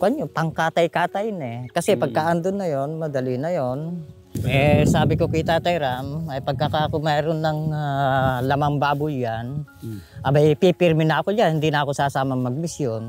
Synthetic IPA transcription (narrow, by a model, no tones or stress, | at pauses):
kʔɐɲopɐŋkaːt̪ɐjkaːt̪ajnɛkɐsɛpɐɡ̚kaʔand̪onːɐjonmɐd̪ɐlɪnɐjon | ʔɛsaːbɪkokit̪aːt̪ajɾamɐjpɐɡ̚kakaʔkomɛjɾonːɐŋalɐmaŋbaːbʊjːan | ʔɐbapipɪɾmɪnɐʔɐkojanhɪnd̪inɐɐko̞saːsaːmɐŋmɐɡ̚mɪsjon